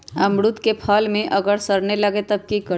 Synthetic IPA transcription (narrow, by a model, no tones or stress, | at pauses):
əmɽʊt̪kepʰalmẽʔəɡəɾsəɾneləɡet̪əb̚kikə